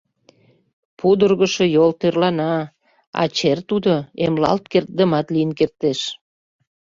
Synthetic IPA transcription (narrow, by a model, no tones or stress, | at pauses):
pud̪ərɣəʃojolt̪ørlɑnɑ | ɑ̰t͡ɕert̪ud̪oemlɑ̰lt̪̚kert̪̚d̪əmɑt̪lijənkert̪eʃ